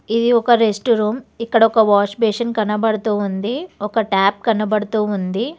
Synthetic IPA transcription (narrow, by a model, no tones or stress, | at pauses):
id̪iɔkɐɾesʈɾuːmikːɐɽɐɔkɐʋaːt͡ʃbeːʂɐnkɐnːɐbɐɽɐt̪uːund̪iɔkɐʈaːp̚kɐɳːɐbɐɽɐt̪uːund̪i